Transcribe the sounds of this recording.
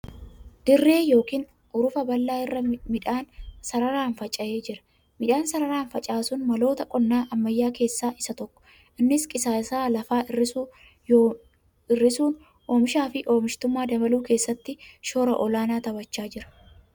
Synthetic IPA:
d̪̥ɪrːe̞ːjo̞ːkiːn | ʔʊɾʊfɐbɐlːaːɪrːɐmɪᶑaːnsɐɾɐɾaːnfɐt͡ʃʼɐʔeːd͡ʒɪɾɐ̥ | mɪᶑaːnsɐɾɐɾaːnfɐt͡ʃʼaːsʊnmɐlo̞ːt̪ɐkʼɔnːaːʔɐmːɐjːaːke̞ːsːaːʔɪsɐt̪ɔkːɔ̥ | ʔɪnːɪskʼɪsaːsaːlɐfaːɪrːɪsu | ɪrːɪsuːn | oːmɪʃaːfɪʔoːmɪʃt̪ʊmːaːd̪ɐbɐluːke̞ːsːɐt̪ːɪʃo̞ːɾɐʔɔlaːnaːt̪ɐbɐt͡ʃːaːd͡ʒɪɾɐ̥

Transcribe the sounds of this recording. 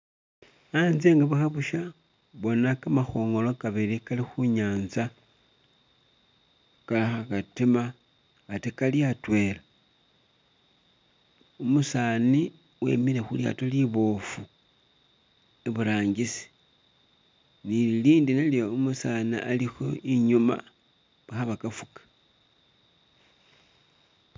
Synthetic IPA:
anzeːŋɡaβuxaβuʃa | βo̞nakamaxo̞ːŋɡo̞lokaβilikalixuɲaːnza | kalaxakatimaː | tekaliatwe̞la | umusaːni | we̞̰miɾexulja̰toliβo̞ːfu | eβuɾaːɲɡisi̥ | niiliːndineljoumusaniʔalixo̞iɲuma̰ | βaxaβakafukḁ

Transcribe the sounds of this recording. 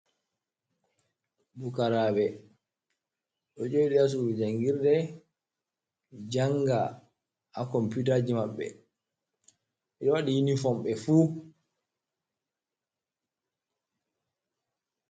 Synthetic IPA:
bukaɾaːbɛ | ɗɔd͡ʒojiɗɛas̬uɾɛd͡ʒaŋɡiɾdɛ | d͡ʒaŋɡa | akɔmpit̬ad͡ʒimaɓːɛ̰ | ʔɛɗɔwaɗijinifɔmɓɛfuː

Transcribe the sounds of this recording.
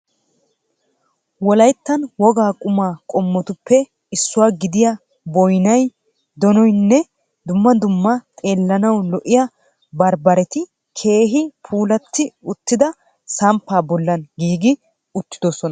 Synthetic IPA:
wɔlɐjt̪ːɐnwɔɡaːkʼʊmaːkʼɔmːɔt̪ʊpːɛ | ɪsːʊwaːɡɪd̪ɪja | bɔjnɐj | d̪ɔnɔjnːɛ | d̪ʊmːɐd̪ʊmːɐt̪ʼe̞ːlːɐnɐwlɔʔɪjɐ | bɐɾbɐɾɛt̪ɪ | kʰe̞ːɦɪpʰuːlɐt̪ːɪʊt̪ːɪd̪ɐ | sɐmpːaːbɔlːɐnɡiːɡɪ | ʊt̪ːɪd̪ɔsɔnɐ

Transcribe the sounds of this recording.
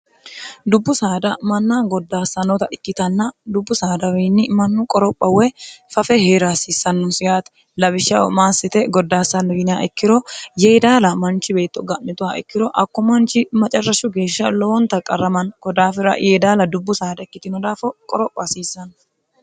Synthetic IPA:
d̪ʊbːʊsaːd̪ɐmɐnːaːɡɔd̪ːaːsːɐnɔt̪ɐɪkːɪt̪ɐnːɐd̪ʊbːʊsaːd̪ɐwiːnːɪmɐnːʊkʼɔɾɔpʼːɐwɛfɐfɛheːɾaːsiːsːɐnːʊnsɪjaːt̪ɛ̥ | lɐbɪʃːɐwɔ̰maːsːɪt̪ɛɡɔd̪ːaːsːɐnːɔɡɪnɪjaːʔɪkːɪɾɔjejd̪aːlɐmɐnt͡ʃɪbe̞ːt̪ːɔɡɐʔmɪt̪ʊwaːʔɪkːɪɾɔʔɐkːɔmɐnt͡ʃɪmɐt͡ʃʼɐrːɐʃʊɡe̞ːʃːɐlɔwɔnt̪ɐkʼːɐrːɐmɐnkɔd̪aːfɪɾɐ̰jʔeːd̪aːlɐd̪ʊbːʊsaːd̪ɐɪkːɪt̪ɪnɔd̪aːfɔkʼɔɾɔpʼːɐsiːsːɐn

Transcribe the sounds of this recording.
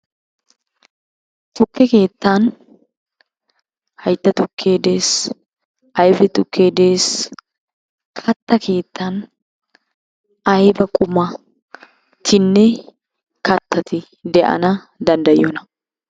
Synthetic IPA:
t̪ʼʊkːɛke̞ːt̪ːan | hɐjt̪ːɐt̪ʊkʰːe̞ːd̪e̞ːs | ʔɐjbɛt̪ʼʊkːe̞ːd̪e̞ːs | kʰɐt̪ːɐkʰe̞ːt̪ːaːn | ɐjbɐkʼʊmɐ | t̪ʰɪnːɛ | kɐt̪ʰːɐt̪ɪ | d̪ɛʔɐ̰nɐ | d̪ɐnd̪ɐjɪoːnɐ

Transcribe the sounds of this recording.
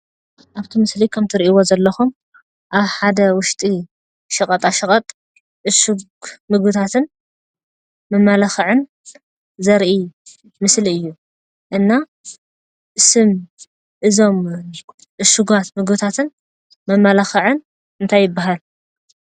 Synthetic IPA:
ʔaβt̪ʰimɨslikʰɐmt̪ʰɨɾiʔiwo̞zɐlːɐxum | ʔaβħad̪ɐwʊʃt̪ʼi | ʃɐkʼɐt̪ʼaʃɐkʼɐt̪ʼ | ʔɨʃuɡ | mɨɡbɨt̪ʰat̪ʰɨn | mɐmːalɐxʕɨn | zɐɾʔi | mɨsliɨjːu | ʔɨnːa | ʔɨsɨm | ʔɨzo̞m | ʔɨʃuɡat̪mɨɡbɨt̪ʰat̪ʰɨn | mɐmːalaxɐʕɨn | ɨnt̪ʰajːɪbːaɦal

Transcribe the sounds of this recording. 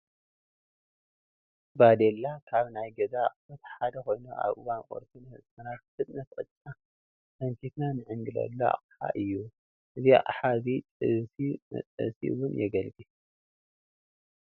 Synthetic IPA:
bad̪elːakʰaβnajɡɐzaχʼfɐt̪ħad̪ɐko̞jnuʔa̰βʔɨwanʔʼo̰ɾt̪ʰunhɨ̰smɐnat̪̚fɨt̪ʼnɐt̪kʼɨt̪ʼt͡sʼa | t̪ʰɐŋkʰit̪nanɨʕɨŋɡɨlɐ̰lːoa̰χʼħa̰ʔɨjːu | ʔɨzia̰χʼħazit͡sʼɨsimɐ̰t͡sʼɐ̰sḭwʊnjɛɡɐlɡi

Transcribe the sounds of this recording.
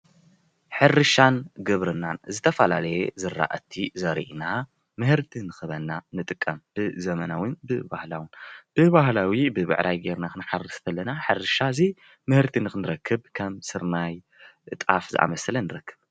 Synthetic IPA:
ħɨrɨʃanɡɨβɾɨnanzɨt̪ʰɐfɐla̰lɐjɛzɨrːa̰ʔɐt̪ʰizɐɾḭʔina | mɨhɨɾt̪ʰinɨxɨβɐnːanɨt̪ʼɨkʼːɐmb̥ɨzɐmɐnawɨnbɨbahla̰wɨnb̥ɨβahlawibɨβɨ̰ʕɾʔajɡeɾnakɨnħarɨst̪ʰɐlːɐnaħɨrɨʃazi | mɨhɨɾt̪ʰinɨxɨnɨɾɐkʰːɨbkʰɐmsɨɾnaj | t̪ʼa̰fzɨ̰ʔa̰mɐsɐlɐnɨɾɐkʰːɨb

